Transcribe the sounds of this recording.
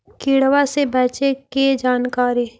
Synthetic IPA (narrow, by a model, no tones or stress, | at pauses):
kiːɽwasebɛːt͡ʃeked͡ʒaːnkaːɾiː